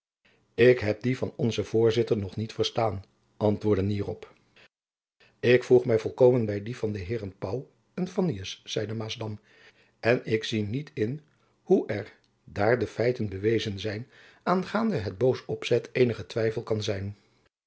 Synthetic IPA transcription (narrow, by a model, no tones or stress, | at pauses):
ɪkɦɛp̚divɑnɔnzəv̥ʊːɹzɪtəɹnɔχnitfəɹstaːn | ʔɑntʋʊːɹdəniːrɔp | ɪkfuχmɛjvɔlˠkowmənbɛjdivɑndəɦɪːrənpɑw | ənfɑniəsːɛjdəmaːzdɑm | ʔɛnɪksinitʰɪn | huʔɛɹ | daːɹdəfɛjtənbəʋejzənzɛjn | ʔaːnχaːndəɦəd̚bowsɔpsɛtʰejnəχətʋɛjfəlˠkɑnzɛjn